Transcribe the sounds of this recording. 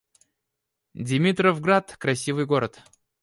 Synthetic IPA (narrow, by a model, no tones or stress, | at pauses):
dʲɪmʲit̪rəvɡɾat̪kɾɐsʲivɨjɡo̞ɾət̪